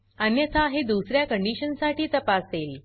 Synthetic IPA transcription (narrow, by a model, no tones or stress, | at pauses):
ənjət̪ʰaɦed̪usɾjakəɳɖiɕənsaʈiːt̪əpaseːl